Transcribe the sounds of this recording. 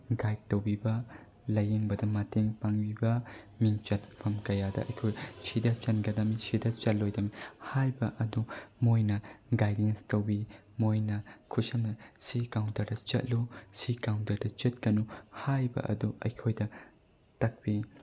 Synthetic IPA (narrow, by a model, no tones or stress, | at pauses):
ɡajt̚tːɐwbibɐ | lɐjeŋbɐdɐmɐteŋpaŋbibɐ | miŋt͡ʃɐtpʰɐmkɐjadɐ̰ɐ̰jkʰojsʰidɐt͡ʃɐnɡɐdɐmisʰidɐt͡ʃɐlːojdɐmihajbɐʔɐdumojnɐɡajdenstɐwbi | mojnɐkʰusɐmɐsikawntɐɾdɐt͡ʃɐ̰t̚lusikawntɐɾdɐt͡ʃɐt̚kɐnuhajbɐ̰ʔɐ̰duʔɐ̰jkʰojdɐ | tɐk̚pi